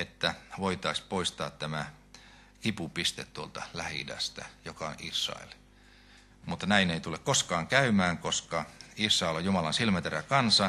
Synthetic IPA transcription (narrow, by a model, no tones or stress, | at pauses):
et̪ːæʋoit̪ɑisʲpoist̪ɑːt̪t̪æmæ | kipupist̪et̪t̪uolt̪ɑlæhḭdæ̰st̪æ̰jokɑo̰nisːɑ̰ḛl | mut̪ːɑnæineit̪ulekkoskɑːŋkæymæːŋkoskɑisːɑelojumɑlɑnsilmæt̪erækɑnsɑ